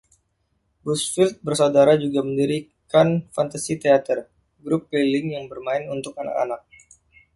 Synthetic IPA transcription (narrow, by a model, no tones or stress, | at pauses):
busfilt̪̚bərsaudaɾad͡ʒuɡaməndiɾi | kanfant̪asit̪eat̪ər | ɡɾʊpːilɪŋjaŋbərmaɪnunt̪ʊk̚ana̰ka̰nak̚